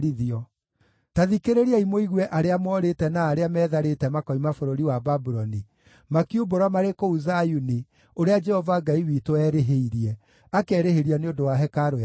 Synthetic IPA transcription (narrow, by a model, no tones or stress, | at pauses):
ɾiðiɔ | taðikeɾeɾiaimoiɣwɛʔaɾeamɔːɾetɛnaːɾeamɛːðaɾetɛmakɔimafoɾoɾiwababuɾɔni | makiuboɾwamaɾekouzajuni | oɾead͡ʒɛhɔvaɡaiwiːtoɛɾeɦeiɾiɛ | akɛɾeheɾianeodowaɦɛkaɾoja